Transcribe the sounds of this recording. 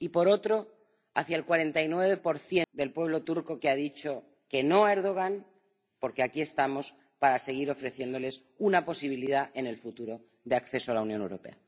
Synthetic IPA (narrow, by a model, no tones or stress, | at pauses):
ipo̞ɾo̞t̪ɾo̞ | aθjaelkwaɾent̪ajnwe̞β̞e̞po̞ɾθje̞d̪e̞lpwe̞β̞lo̞t̪uɾko̞keað̞it͡ʃo̞ | ke̞no̞ae̞ɾð̞o̞ɣ̞an | po̞ɾke̞akie̞st̪amo̞s | paɾase̞ɣ̞iɾo̞fɾe̞θje̞nd̪o̞le̞s | unapo̞siβ̞iliðae̞ne̞lfut̪uɾo̞ | ðeakθe̞soalaunjone̞wɾo̞̰pe̞̰a